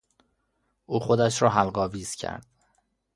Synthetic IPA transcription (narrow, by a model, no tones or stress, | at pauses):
ʔuːxod̪æʃɾɒːɦælɢɒːviːz̥cʰæ̰ɾd̪̥